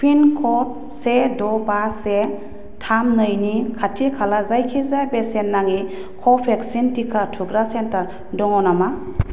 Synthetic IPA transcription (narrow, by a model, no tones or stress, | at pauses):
pʰinkʰɔt̚ | sedɔbase | tʰamnɯjnikʰatʰikʰalazajkʰizajbesenːaŋi | kʰɔpʰeksintikʰatʰuɡɾasenta | dɔŋɔnama